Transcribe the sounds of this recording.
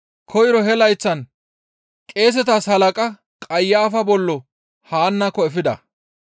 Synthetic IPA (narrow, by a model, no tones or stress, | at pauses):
kʰɔjɾɔhɛlɐjt͡sːɐn | kʼe̞ːs̬ɛt̪ashɐlɐkʼɐ | kʼɐjːaːfɐbɔlːɔ | haːnːɐkːɔɛfɪd̪ɐ